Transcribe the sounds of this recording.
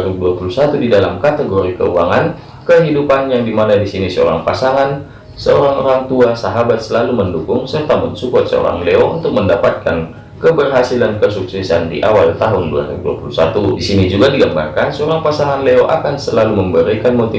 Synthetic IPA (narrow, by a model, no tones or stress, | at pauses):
ɾibuduapulusat̪udidalamkat̪əɡoɾikə̰ṵaŋan | kəɦidupanjaŋdimanadisinisəo̰ɾa̰ŋpasaŋan | səoɾaŋo̰ɾaŋt̪uasaɦabat̪̚səlaluməndukʊŋsərt̪aməɲsukɔt̪̚sə̰o̰ɾa̰ŋleount̪ʊk̚məndapat̪̚ka̰n | kəbərɦasilankəsuksɛsandḭʔawalt̪aɦʊndua̰ɾḭbuduapulusat̪udisinid͡ʒuɡadiɡamba̰rkansəoɾaŋpasaŋanleoʔakansəlaluməmbəɾikanmot̪i